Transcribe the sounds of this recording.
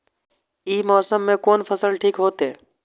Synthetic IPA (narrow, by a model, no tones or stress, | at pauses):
iːmɔːsəmːẽkoːnpʰəsəlʈʰiːkɦoːt̪ɦeː